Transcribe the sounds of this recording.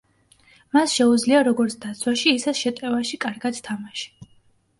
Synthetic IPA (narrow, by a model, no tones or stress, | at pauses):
masʃɛud̪zliaɾɔɡɔɾt̪ʰd̪at̪sʰwaʃiːsɛsʃɛt̪ʼɛvaʃikʼaɾɡad̪̥t̪ʰamaʃi̥